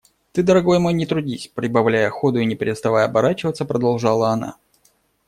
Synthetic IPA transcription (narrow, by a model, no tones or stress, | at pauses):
t̪ɨd̪əɾɐɡo̞jmo̞jnʲɪt̪ɾʊdʲisʲpɾʲɪbɐvlʲæjəɐxo̞d̪ʊinʲɪpʲɾʲɪt̪st̪ɐvajəɐbɐɾat͡ɕɪvət̪səpɾəd̪ɐlˠʐɑlˠəɐna̰